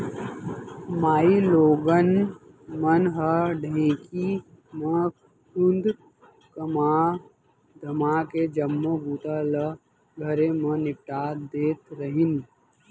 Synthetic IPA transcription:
maːiloːɡən | mənɦəɖʱẽːki | mə̃ | kʊnd̪ʱ | kəmaː | d̪ʱəmaːked͡ʒəmːoɡuːt̪alə | ɡʱəɾemɐ̃nɪp̚ʈaːd̪eːt̪ɾəɦɪn

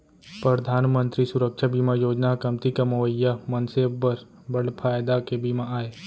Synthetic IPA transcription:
pɾɐd̪ʱaːnmə̃nt̪ɾisʊɾəkʃabiːmajoːd͡ʒnakɐmt̪ikamɐʋəjːamɐnsebːɐɾ | bɐɽpʰaːjd̪akebimaaːeː

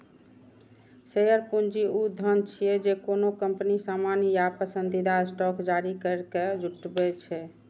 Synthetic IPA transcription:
sejəɾpund͡ʒiud̪ʱənt͡ʃʰijɛd͡ʒekonokəmpnisamanjapəsənd̪ʱid̪asʈɔkd͡ʒaɾikəɾked͡ʒʱuʈbɛt͡ʃʰɛ

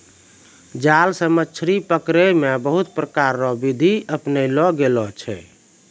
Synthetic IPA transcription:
d͡ʒalsəmət͡ʃʰɾipəkɾemebəɦut̪pɾəkaɾːɔbid̪ʱiəpnelɔɡelɔt͡ʃʰɛ̰

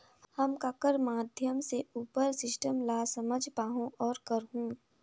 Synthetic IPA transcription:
həmkakəɾmaːd̪ʱjəmseuːpəɾsɪsʈəmlaːsəməd͡ʒʱpaːɦõʔɔːɾkəɾɦũː

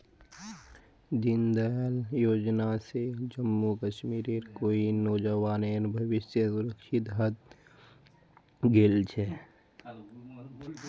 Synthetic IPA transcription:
d͡ʒɪnd̪əljoːd͡ʒnased͡ʒəmːukəʃmiːɾeɾkoːinɔːd͡ʒəʋaːneɾbʱɐʋɪsjəsʊɾəkʃɪt̪ɦət̪̚ | ɡeːlt͡ʃʰɛ

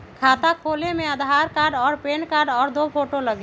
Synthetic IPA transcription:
kʰat̪akʰolemeəd̪ʱaɾkaɾɖɔːɾpenkaɾɖɔːɾd̪opʰoʈoləɡe

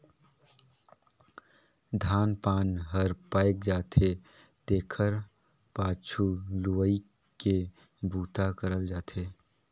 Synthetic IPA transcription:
d̪ʱaːnpaːnɦəɾpaːɪk̚d͡ʒaːt̪ʰe | t̪eːkʰəɾ | paːt͡ʃʰuluʋəi | ke | bʱuːt̪akəɾəld͡ʒaːt̪ʰeː

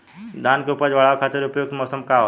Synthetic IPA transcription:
d̪ʱankopəd͡ʑʋɐɭaːʋkʰaːt̪ɪɾʊpjoɡ̚t̪mɔːsəmkaʋ

